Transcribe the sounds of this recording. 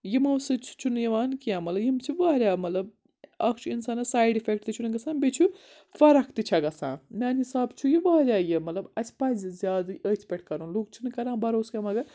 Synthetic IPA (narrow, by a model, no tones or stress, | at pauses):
jimɐwsɨt͡ʃʰt͡ʃʰunɨjiʋaːnkijãːmɐlɐbjimt͡ʃʰuʋaːɾʲjaːmɐt̪lɐb̚ | ɐkʰt͡ʃʰuinsaːnɐsaːjɖifʰek̚ʈt̪it͡ʃʰunɨɡɐsãːnbʲet͡ʃʰu | fɐɾɐkʰt̪it͡ʃʰɐɡɐsã̰ːmʲaːnɦisaːbt͡ʃʰujiʋaːɾʲjaːjimɐt̪lɐbɐsʲpɐzizʲjaːd̪ɨʔət̪ʰpʲeʈ̚ʰkɐɾũnluːk̚t͡ʃʰunɨkɐɾãːbɐɾoːskɐmɐɡɐ